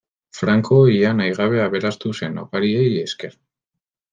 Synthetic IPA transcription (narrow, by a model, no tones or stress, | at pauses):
fɾaŋkʰo̞ianajɣaβ̞e̞aβe̞ɾast̪use̞no̰paɾieje̞ske̞ɾ